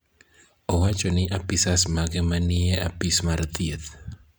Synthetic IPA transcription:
ɔwat͡ʃɔnɪʔapɪsasmaɡɛmanɪea̰pɪsmart̪iet̪

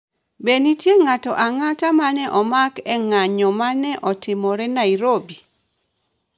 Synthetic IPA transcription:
benitjeŋatɔʔaŋatamanɛʔɔmakɛŋaɲɔmanɛʔɔtɪmɔɾɛnaiɾobi

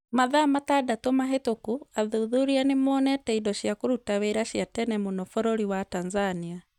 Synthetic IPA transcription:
maðaːmatadatɔmaɦetokuaðuðuɾianimoːnɛtɛidɔʃjakuɾutaβɛiɾaʃjatɛnɛmunɔfɔɾoɾiwatanzania

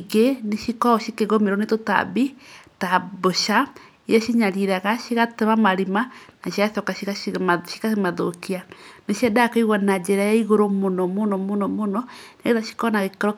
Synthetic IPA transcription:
ɣeneʃikɔʃikeɣomeɾonetota̰bitaboʃa | ijɛʃiɲaɾiɾaɣaʃiɣateβamaɾimanaʃiasɔkaʃiɣaʃi̥kaemaðokianeʃiɛdakoiɣwanad͡ʒeɾajaiɣoɾomonɔmonɔmnɔmonɔneeðaʃi̥kɔnaɣekeɾɔ

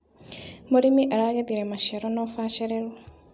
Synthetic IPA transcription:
moɾimiʔaɾaɣeðiɾemaʃeɾonofaːʃeɾeɾɔ

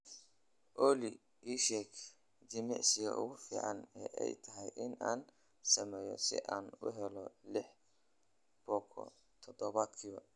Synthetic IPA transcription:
ʔɔːli | iːʃɛkʰ | d͡ʒɪmɛʕsɪjɔ̰ʔʊ̰ɣʊfḭːʕɑnɛːʔɛ̰jt̪ʰɐɦɛjʔɪnaːn | sɐmɛːjɔ̰sɪ̰ʔaːnʊ̰ɦɛlɔlɪħ | b̥ɔːkʰɔ̰ | t̪ʰɔd̪ɔβad̪kʰɪβɐ

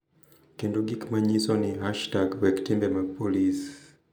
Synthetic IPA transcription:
kinduɡikimaɲisɔniɦaʃtaɡwɛki̥timbɛmapɔlisi̥

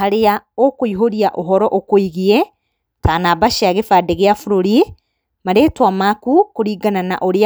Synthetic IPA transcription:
aɾeaokoiɦoɾiaʔoɦɔɾɔʔokoiɣie | taːnabaʃeaɣefadɛɣeafoɾoɾi | maɾetwamakukoɾiːɡanana̰ʔoɾea

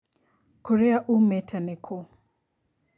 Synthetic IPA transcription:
kɔɾɛaʔumɛtʰanɛkʰo

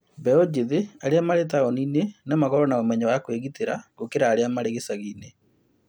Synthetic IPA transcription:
bɛod͡ʒeðeaɾeamaɾetaɣɔniːnenamaɣɔɾɔnaomɛɲawakweɣiteɾaɣokeɾaːɾeamaɾeɣesaɣiːne

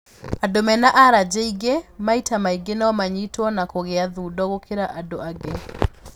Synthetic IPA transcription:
adomɛnaʔaɾad͡ʑeiɡemaitamaiɡenaɔmaɲitwɔnakoɣeaðuːdɔɣokʰeɾaʔadoaɡe

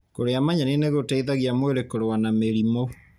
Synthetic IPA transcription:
koɾeamaɲaneneɣotaiðaɣiamweɾekoɾowanameɾimo

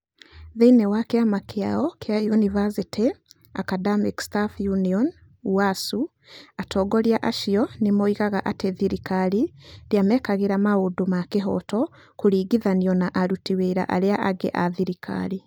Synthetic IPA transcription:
ðeinewakeamakʰeaɔkʰeajunivasiti | akadamikstafjuniɔn | uasu | atʰɔɡɔɾjaʔaʃiɔnemɔiɣaɣaʔateðiɾikaɾiɾjamɛkaɣeɾamaodomakeɦɔ̰tɔ | kuɾiːɡiðaniɔnaʔaɾutiweɾa̰ʔa̰ɾeaʔaɡḛʔaðiɾikʰa̰ɾi

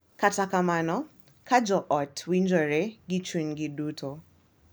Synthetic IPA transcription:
katakamanɔ | kʰad͡ʒɔʔɔtwind͡ʒɔɾeɡit͡ʃwinɡɪduto

